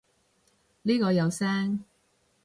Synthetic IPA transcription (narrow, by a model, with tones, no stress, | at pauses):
liː˥kɔː˧jɐ˨˧wsɛː˥ŋ